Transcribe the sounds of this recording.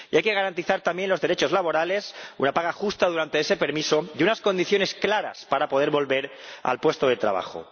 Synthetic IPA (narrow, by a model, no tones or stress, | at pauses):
iajke̞ɣaɾant̪iθaɾt̪amje̞nlo̞zðe̞ɾe̞t͡ʃo̞zlaβo̞ɾale̞sunapaɣaxust̪aðuɾant̪eese̞pe̞ɾmisoðunasko̞nd̪iθjo̞ne̞sklaɾa̰spaɾapoðe̞ɾβo̞lβe̞ɾa̰lpwe̞st̪oð̞e̞t̪ɾa̰β̞a̰xo̰